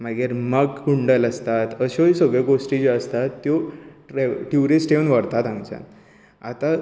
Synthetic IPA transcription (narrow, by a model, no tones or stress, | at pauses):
maɡeɾməɡkuɳɖələst̪at̪əɕojisəɡɭekosʈid͡ʑeəst̪at̪ːjo | ʈjuɾisʈeʋənʋəɾt̪at̪ãŋt͡ɕã̰n | at̪a